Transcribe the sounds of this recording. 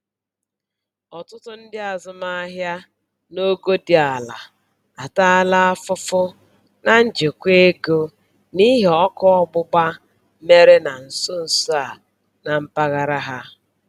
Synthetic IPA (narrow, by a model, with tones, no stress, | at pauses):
ɔ˨tʊ˦tʊ˦n̩˦dɪ˦a˨zʊ˦ma˦a˦ɦja˦ | no˦ɡo˦di˨a˨la˨ | a˨ta˦a˦la˦a˦fʊ˦fʊ˦ | na˨n̩˦d͡ʒe˨kʷe˦ɡo˦ | ni˦ɦe˨ɔ˦kɔ˦ɔ˦bʊ˦ba˦ | me˦ɾe˦na˨n̩˨so˦n̩˨so˦a˨ | na˨m̩˦pa˦ɣa˦ɾa˦ɦa˦